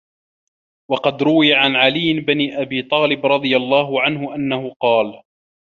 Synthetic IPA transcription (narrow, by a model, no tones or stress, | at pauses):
wɑqɑd̪ɾʊwɪjaʕanʕalɪjːbɪniːʔabiːt̪ˤɑːlɪbɾˤɑd̪ˤɨjalˤːɑːɦʊʕanhʊʔanːahʊqɑːl